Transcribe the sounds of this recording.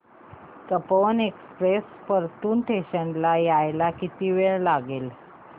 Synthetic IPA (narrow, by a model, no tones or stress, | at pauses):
t̪əpənekspɾes | pəɾt̪uːnʈʰeɕəɳlajajlakit̪iʋeɭlaɡel